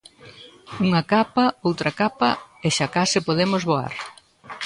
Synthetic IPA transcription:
uŋɐkapɐowt̪ɾɐkapɐ̰eʃakasɪpoðemozβoa̰ɾ

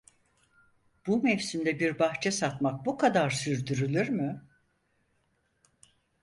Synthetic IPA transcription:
b̥umɛfsind̪ɛbiɾbaxt͡ʃʰɛsat̪mak̚bukʰad̪aɾsyɾd̪yɾylʲyɾmy

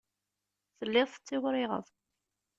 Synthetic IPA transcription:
θəlːɪðˤθət͡sːɪwɾɪʁə̰ðˤ

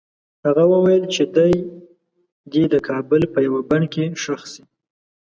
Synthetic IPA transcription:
haɣawəwajəlt͡ʃed̪aj | d̪ed̪əkʰɑbəlpəjawabaɳkeʃaxsi

